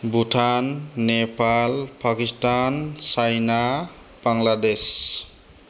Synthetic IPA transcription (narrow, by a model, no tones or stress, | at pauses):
butʰanːepalpakistansajna | b̥aŋlades